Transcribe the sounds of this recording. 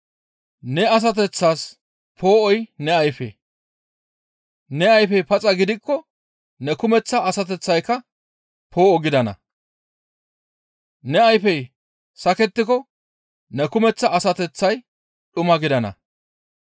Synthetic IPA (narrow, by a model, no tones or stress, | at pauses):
nɛɐs̬ɐt̪ɛt͡sːaːs | pʰo̞ːʔɔjnɛɐjfḛ | nɛɐjfɛjpɐt͡sʼɐɡɪd̪ɪkːɔ | nɛkʊmɛt͡sːɐːsɐt̪̬ɛt͡sːɐjkːɐ | pʰo̞ːʔɔɡɪd̪ɐnɐ̰ | nɛɐjfɛj | sɐkɛt̪ːɪkɔ | nɛkʊmɛt͡sːɐːsɐt̪ɛt͡sːɐj | ɗʊmɐɡɪd̪ɐnɐ̰